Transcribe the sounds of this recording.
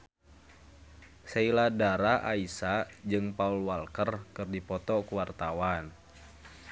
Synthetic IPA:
seiladaɾaʔa̰isad͡ʒɨŋpaulwalkərkɨrdipɔt̪ɔkuwart̪awan

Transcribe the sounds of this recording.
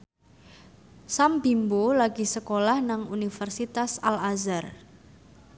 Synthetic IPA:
sambimbolaɡisəkolahnaŋunifərsit̪asalazar

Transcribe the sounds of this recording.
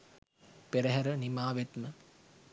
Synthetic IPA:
peɾɐɦɐɾɐnimaːʋet̪mə

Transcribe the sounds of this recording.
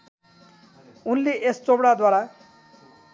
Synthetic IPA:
unːiʔest͡sobɽad̪waɾa

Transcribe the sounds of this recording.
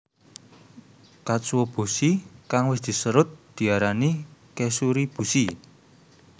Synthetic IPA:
kaswob̥ṳsikaŋwɪsd̪̥i̤səɾʊt̪̚d̪̥i̤aɾanikesuɾib̥ṳsi

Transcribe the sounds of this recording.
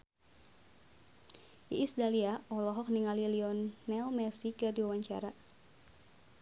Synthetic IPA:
ʔiʔisdaliaʔɔlɔɦɔk̚niŋaliliɔnːɛlmɛsikɨrdiwawaɲt͡ʃa̰ɾa

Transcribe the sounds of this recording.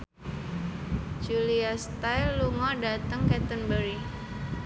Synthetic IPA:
d͡ʒuliast̪ajlːuŋɔdat̪əŋkɛt̪ənbəɾi

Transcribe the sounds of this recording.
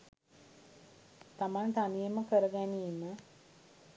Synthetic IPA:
t̪amant̪anijəməkəɾəɡæniːmə

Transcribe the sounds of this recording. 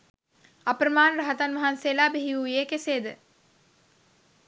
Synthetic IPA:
apɾəmaːnɾaɦət̪anʋɐɦansejlaːbeɦiujeːkeseːd̪ə

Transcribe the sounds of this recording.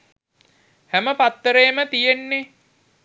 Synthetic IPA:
hæməpat̪ːəɾejːmət̪ijenːe

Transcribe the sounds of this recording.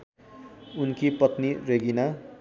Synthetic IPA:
unkipʌt̪nireɡina

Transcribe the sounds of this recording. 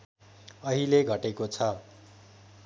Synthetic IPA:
ʌɦileɡʱʌʈekot͡sʰʌ

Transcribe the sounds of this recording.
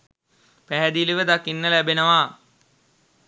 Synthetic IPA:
pæɦæd̪iliʋəd̪akinːəlæbenəʋa

